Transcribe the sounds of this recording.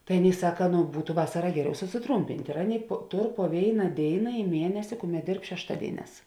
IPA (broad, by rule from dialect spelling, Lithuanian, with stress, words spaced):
tɐɪ ˈɑːˌnʲeːɪ ˈsɑːkɐ nʊ ˈbuːtʊ ˈʋɑːsɐrɐ ˈɡʲæːˌrʲɛʊ sʊsʲɪˈtruːmʲpʲɪnʲtʲ ɪr ˈɑːˌnʲeːɪ poː ˈtoːr poː ˈʋʲeːɪnɐ ˈdʲeːɪnɐ ɪ ˈmʲiɛnʲɛsʲɪ ˈkʊˌmʲɛt ˈdʲeːrp ʃʲɛʃˈtɑːdʲeːɪˌnʲɛːs